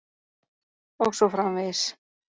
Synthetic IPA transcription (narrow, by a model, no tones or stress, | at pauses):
ɔɣsɔfɾamvɪs